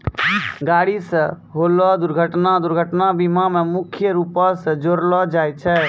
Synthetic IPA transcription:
ɡaɽisə̃ | ɦolɔd̪uɾɡʱəʈnad̪uɾɡʱəʈnabimamemukʰjəɾupɔsəd͡ʒoɾlɔd͡ʒajt͡ʃʰɛ

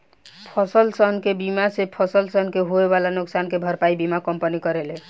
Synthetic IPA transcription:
pʰɔsəlsənkebimasepʰɔsəlsənkeɦoebalanʊksankebʱəɾpaibimakəmpənikəɾele

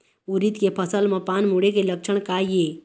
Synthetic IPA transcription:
uɾit̪kepʰəsəlməpanmuɽekelək̚t͡ʃʰəɳ̃kaje

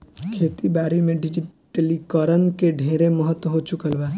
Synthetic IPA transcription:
kʰeːt̪ibaːɾimẽɖɪd͡ʒɪʈəlikəɾənkeɖʱẽːɾeməɦət̪wəɦot͡ʃʊkəlʋɛː

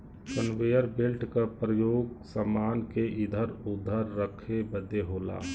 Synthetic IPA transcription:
sənʋejəɾbelʈkapɾəjoːɡsəmaːnkeʔɪd̪ʱəɾʊd̪ʱəɾːəkʰebəd̪eɦoːla̰ː

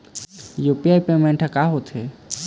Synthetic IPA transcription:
juːpiaːipemẽɳʈʰakaːɦot̪ɦeː

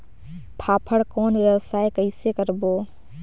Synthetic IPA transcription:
pʰaːpʰəɽkoːnʋjəʋsaːekəisekəɾboː

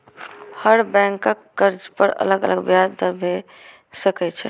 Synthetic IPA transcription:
həɾbɛ̃ŋkəkːəɾd͡ʒpəɾə̰ləɡə̰ləɡbjad̪d̪əɾbʱe | səkɛt͡ʃʰɛ̰

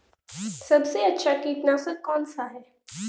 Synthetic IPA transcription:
sɐbseɐtːʃʰakiːt̪naːsəkɔːnsaɦɛː

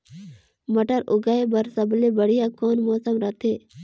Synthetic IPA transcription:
məʈəɾʊɡaːebɐɾsəblebəɽijakoːnmoːsəmɾɐt̪ʰeː

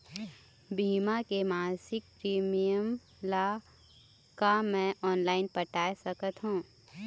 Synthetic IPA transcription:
biːmakemaːsɪk̚pɾiːmijəm | la | kamɛ̃ʔɔːnlaːɪnpəʈaːjsəkət̪ɦũː

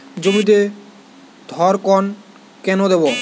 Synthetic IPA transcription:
d͡ʑomit̪̬e | d̪ʱɔɾkɔn | kɛnod̪ebo

